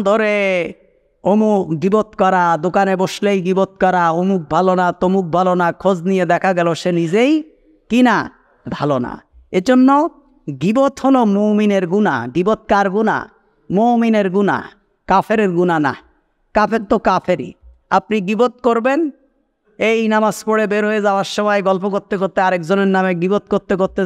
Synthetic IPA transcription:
d̪ʱoɾe | omukɡibot̪kɔɾad̪okaneboʃlejɡibot̪̚kɔɾaomuk̚bʱalonat̪omuk̚bʱalonakʰod͡ʑnijed̪ɛkʰaɡɛloʃenid͡ʑej | kina | d̪ʱalona̰ | ed͡ʑonːo | ɡibot̪ɦolomomineɾɡuna̰ɡibot̪̚kaɾɡuna̰ | mowmineɾɡuna̰ | kafʰeɾeɾɡunana̰ | kapʰeɾt̪okapʰeɾḭ | apniɡibot̪̚koɾben | ejnamaspoɽebeɾɦoed͡ʑaoaɾʃɔmɔjɡɔlpokoɾt̪ːekoɾt̪ːeaɾekd͡ʑoneɾnameɡibot̪̚koɾt̪ːekoɾt̪ːe

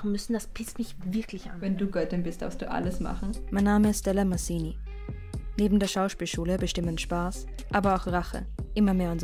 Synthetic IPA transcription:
χn̩mʏsn̩d̥aspʰɪstmɪçvɪɐklɪçʔa̰nvɛnduːɡœtɪnbɪstd̥a̰ɐstd̥ṵːʔa̰ləsma̰χn̩maɪnːaːməɪstd̥ɛlamasiːni | neːbm̩deːɐʃaʊʃpiːlʃuːləbəʃtɪmənʃpaːs | ʔaːbɐaʊxʁaχə̰ʔɪmɐmeːɐʊntz

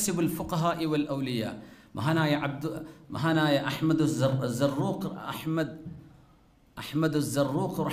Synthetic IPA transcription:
sɪbalfʊqɑɦaːʔɪwalʔawlɪja̰ːʔmaɦanajʕabd̪maɦanajʔaħmad̪zzːɑrˤːuːqʔa̰ħmad̪ | ʔaħmad̪zːɑrˤːuːqɾˤ

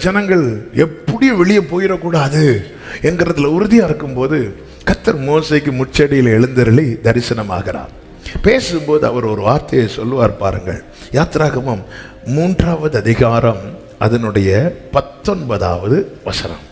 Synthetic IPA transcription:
d͡ʒɛnɐŋɡɐɭɛpːɐɽɪjʋɛɭɪjɐpoːjɪɾɐkːuːɽaːðɯ | ɛnɡɪɾɐt̪ːɪlɐʊɾʊðɪjaɪɾɯkːɯmpoːðɯ | kɐt̪ːɐɾmoːsɐɪkːɯmʊʈt͡ʃːɐɽɪjɪlɛɻɯnd̪ɯɾɐɭid̪ɐɾɪsɐnɐma̰ːɣɪra̰ːm | peːsɯmpoːðɯɐ̰ʋɐɾɔɾɯʋaːɾt̪ɐjesɔlːɯʋaːɾpa̰ːɾɯŋɡɐ̰ɭ | jaːt̪ɾaːɣɐmɐmː | uːndraːʋɐðɯɐðɪɣaːɾɐm | ʔɐðɐnɯɽɐjɐpɐt̪ːɔnbɐða̰ːʋɐðɯʋɐsɐnɐ̰m

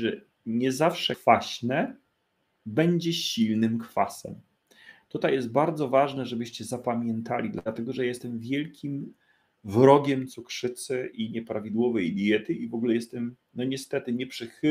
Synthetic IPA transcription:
ʐɛ | ɲɛzafʂɛkfaɕnɛ | bɛɲd͡ʑɛɕilnɘmkfasɛ̰m | t̪ut̪ajːɛs̬t̪̚baɾd̪zɔvaʐnɛʐɛbɘɕt͡ɕɛzapamʲjɛnt̪alʲid̪laat̪ɛɡɔʐɛjaɛst̪ɛmvʲjɛlkʲʰim | vɾɔɡʲɛmt̪sukʂɘt̪sɘʔiɲɛpɾavʲid̪wɔvɛjbʲijɛt̪ɘivɔɡulɛjɛst̪ɛm | nɔɲɛst̪ɛt̪ɘɲɛpʂɘx

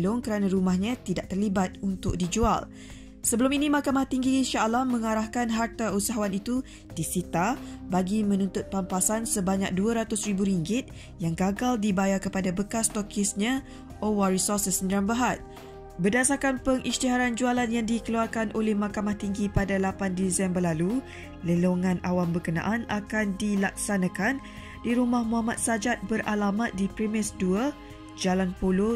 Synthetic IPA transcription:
lʊŋkəɾanãɾumahɲãt̪idaʔ̚t̪ərlibat̪̚unt̪ʊ̰k̚did͡ʒua̰l | səbəlʊminimakamaht̪iŋɡinʃaʔlahmə̃ŋaɾahkanɦart̪ausaɦawanit̪u | d̥isit̪abaɡimə̃nũnt̪ʊt̪̚pampasansəbaɲa̰k̚duaɾat̪ʊsribuɾiŋɡɪt̪̚ | jaŋɡaɡaldibajakəpadabəkast̪ɔkʰɪsɲã | ʔowarisɔsəsnɾanbəɦat̪̚ | bərdasakanpəŋʔist̪iɦaɾand͡ʒualanjaŋdikəluarkanʔolɛhmakamaht̪iŋɡipadalapandisɛmbərlalu | ləloŋãnawambəkənã̰ʔanakandilak̚sanãkan | diɾumahmũɦamat̪̚sad͡ʒat̪̚bəɾʔalamat̪̚dipɾimɪsduə | d͡ʒalanpolo

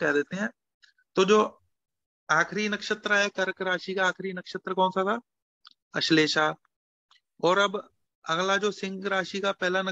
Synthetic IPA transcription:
kɛɦd̪eːt̪eɦɛ̃ː | t̪oːd͡ʒoː | aːxɾinɐkʃət̪ɾəɦɛkɐɾkɾaːʃikaaːkɾinɐkʃət̪ɾəkɔ̃ːnsat̪ʰaː | ɐʃleːʃaː | ɔːɾɐb | ɐɣlad͡ʒoːsɪ̃ŋɡɾaːʃikapɛɦlanɐ

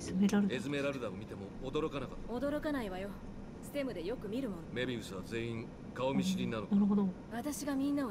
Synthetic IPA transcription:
zɨme̞ɾaɾɯd̪ezɨme̞ɾaɾɯ̟d̪aomʲit̪e̞moːd̪o̞ɾo̞kanakḁt̪ːaod̪o̞ɾo̞kanaiβajo̞ | sɨ̥t̪e̞mɯ̟d̪e̞jo̞kɯ̟mʲiɾɯ̟mo̞nome̞bʲiɯ̟sɨβaze̞ĩŋ | kaomʲiɕiɾʲĩnːanonaɾɯ̟ɦo̞d̪o | βat̪aɕiɡamʲĩnːao

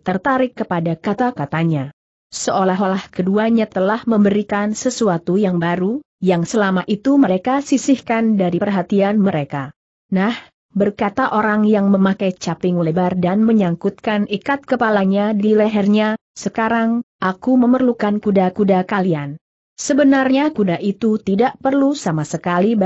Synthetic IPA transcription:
t̪ərt̪aɾɪkːəpadakat̪akat̪aɲa | səolaɦolahkəduaɲat̪əlahməmbəɾikansəsuat̪ujaŋbaɾu | jaŋsəlamaʔit̪uməɾekasisɪhkandaɾipərɦat̪ianməɾeka | nah | bərkat̪aʔoɾaŋjaŋməmakajt͡ʃapɪŋulebardanməɲaŋkut̪̚kanikat̪̚kəpalaɲadilɛɦɛrɲasəkaɾaŋʔakuməmərlukankudakudakalian | səbənarɲakudaʔit̪ut̪idaʔpərlusamasəkali

